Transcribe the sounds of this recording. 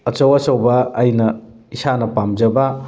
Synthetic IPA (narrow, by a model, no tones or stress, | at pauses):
ɐt͡ʃɐwɐsɐwbɐːjnɐ | isanɐpamd͡ʒɐbɐ